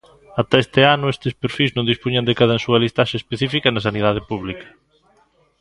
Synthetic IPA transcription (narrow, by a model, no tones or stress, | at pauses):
at̪ɐest̪eanʊest̪espeɾfilznõnd̪ispuɲɐnd̪ekaðɐnsuɐlist̪aʃespeθifikɐnɐs̬aniðað̞epuβlikɐ̥